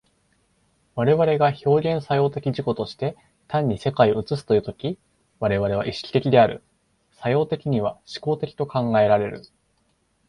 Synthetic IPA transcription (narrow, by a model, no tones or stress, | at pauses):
βaɾe̞βaɾe̞ɡaço̞ːɡʲẽ̞ɰ̃sajo̞ːt̪e̞kʲiʑiko̞t̪o̞ɕi̥t̪e̞ | t̪ãɲ̟ːise̞kaioɯ̟t͡sɨs̬ɨ̥t̪o̞jɯ̟ːt̪o̞kʲi | βaɾe̞βaɾe̞β̞aʔiɕi̥kʲi̥t̪e̞kʲid̪e̞aɾɯ̟̰ | sajo̞ːt̪e̞kʲiɲ̟iβ̞aɕi̥ko̞ːt̪e̞kʲi̥t̪o̞kãŋɡae̞ɾaɾe̞ɾɯ̟̰